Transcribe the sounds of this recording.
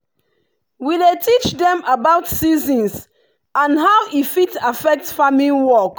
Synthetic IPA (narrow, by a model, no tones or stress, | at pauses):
widetʰit͡ʃdɛ̃mabaʊtsizɔ̃ns | ãnɦawʔifitafɛk̚tfamiwɔk